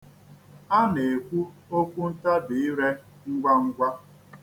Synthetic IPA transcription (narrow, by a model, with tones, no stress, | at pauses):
a˦ne˨e˨kʷu˦o˦kʷu˦n̩˦ta˦dɪ˨ɪ˦ɾe˦ | ŋ̩˦ɡʷa˦ŋ̩˦ɡʷa˦